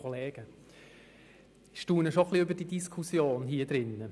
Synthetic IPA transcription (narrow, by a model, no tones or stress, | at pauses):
ɔleːɡ̥ə | ʃtuːnəʃoχliʏbəd̥id̥iskʰusjoːnɦiːəd̥̪ɾɪnːə